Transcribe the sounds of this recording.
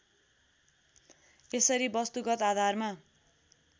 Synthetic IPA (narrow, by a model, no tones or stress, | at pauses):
esʌɾibʌst̪uɡʌt̪ad̪ʱarma